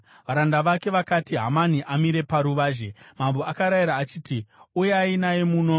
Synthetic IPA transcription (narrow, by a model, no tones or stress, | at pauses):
ʋaɾandaʋake̞ʋakatiɦa̰maniʔamiɾe̞paɾuʋaːʒe̞mamboakaɾajiɾaːt͡ʃiːtiujeainajemuːno̞